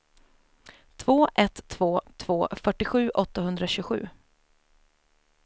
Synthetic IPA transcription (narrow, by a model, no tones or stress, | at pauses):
t̪ʰv̥oːʔɛt̪ʰːvoːt̪ʰv̥oːfœʈːɪɧʉ̟ːʔɔt̪ːahɵnd̪ɾaɕʉːɧʉ̟ː